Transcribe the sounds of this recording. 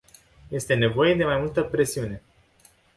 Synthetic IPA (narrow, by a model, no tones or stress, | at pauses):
je̞st̪e̞ne̞vo̞je̞d̪e̞majmult̪əpɾe̞siune̞